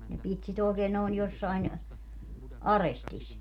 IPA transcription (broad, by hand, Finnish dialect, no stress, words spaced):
ne pit sit oˑi̯keːn noˑi̯n josːɑin ɑrestis